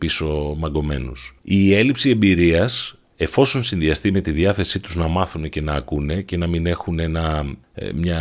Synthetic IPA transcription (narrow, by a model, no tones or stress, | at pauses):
piso̞mɐɡo̞me̞̰nusie̞lipsie̞mbiɾiɐs | e̞fo̞so̞nsinðiɐst̪ime̞t̪iðiɐθe̞sit̪uznɐmɐθune̞ce̞nɐːkune̞ce̞nɐmine̞xune̞nɐ | mɲɐ